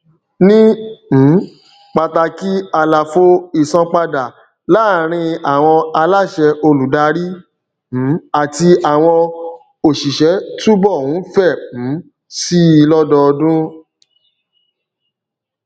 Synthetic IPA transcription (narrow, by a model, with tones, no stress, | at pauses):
nĩ˦˨˦ | k͡pa˨ta˧ki˦a˧la˨fo˧i˦˨sã˧k͡pa˧da˨ | la˦˨ɾ̃ĩ˧a˨w̃ɔ̃˧a˧la˦˨ʃɛ˧ʔo˧lu˨da˧ɾĩ˦˨˦ | a˨ti˧a˨w̃ɔ̃˧ | o˨ʃi˨ʃɛ˨˦tu˦bɔ˦˨hũ˨˦fɛ̃˦˨˦ | si˦i˦˨lɔ˦dɔ˧dũ˦